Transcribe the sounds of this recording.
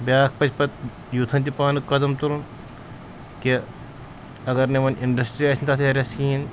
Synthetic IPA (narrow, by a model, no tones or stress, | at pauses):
bʲjaːkʰpɐt͡ʃʰpɐt̪ | jut̪ʰɐnt̪ipaːnɨkːɐd̪ɐmt̪uɾun | ki | ɐɡɐɾneʋɐniɳɖɐsʈɾiɐsʰnʲt̪ɐːseɦɐɾʲɐsiːn